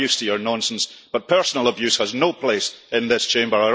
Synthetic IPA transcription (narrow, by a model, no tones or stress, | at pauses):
ʉstʰəjə˞nɔ̃nsə̃n̩sb̥ʌt̚pʰɜ˞sənəlˠəbjʉshəznopʰl̥esɪ̃nðɪst͡ʃʰẽmbə˞ə